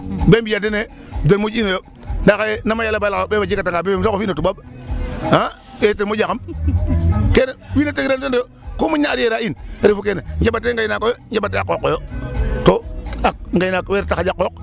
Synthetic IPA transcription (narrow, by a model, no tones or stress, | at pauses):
bembijadene | denmud͡ʒinojo | ndakajnamajalabalakaobebad͡ʒikataŋɡabebemsokofinotubab | a | etemod͡ʒakam | kenewineteɡiɾantendojo | komuɲːaɾijeɾainɾifukeneŋd͡ʒebateŋɡajnakojoŋd͡ʒebateakːokːojotoak̚ŋɡajinakweɾtaxad͡ʒakːok